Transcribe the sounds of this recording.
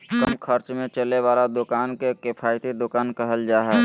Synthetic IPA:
kəmkʰəɾt͡ʃmẽt͡ʃəleʋaːlad̪ʊkaːnkekɪpʰaːɪt̪ed̪ʊkaːnkəɦəld͡ʒaːɦɛ

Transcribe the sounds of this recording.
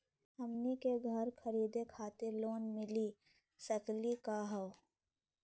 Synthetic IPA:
ɐmnikeɡʱəɾkʰɐɾiːd̪ekʰaːt̪eloːnmɪli | səklikaɦɐw

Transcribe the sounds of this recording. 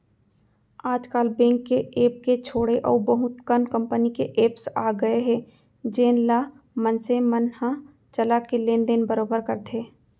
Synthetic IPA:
aːd͡ʒkaːlbɛ̃ːŋkːeeːp̚ket͡ʃʰoːɽeʔɔ̰ːɾbəɦʊt̪̚kənkə̃mpənikeʔeːpsaːɡəeɦɛ̃ː | d͡ʒeːnla | mənsemənhã | t͡ʃəlakelẽːnd̪enbəɾoːbəɾkəɾt̪ʰeː

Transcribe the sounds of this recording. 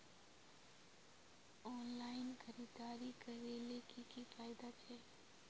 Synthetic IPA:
ɔːnlaːɪnxɐɾiːd̪aːɾiɡɐɾeːlekikifaːɪd̪at͡ʃʰɛː

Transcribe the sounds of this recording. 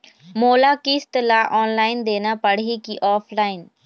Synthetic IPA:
moːlaːkist̪əlaːʔɔːnlaːɪnd̪eːnaːpəɽiːkiʔɔːpʰlaːin

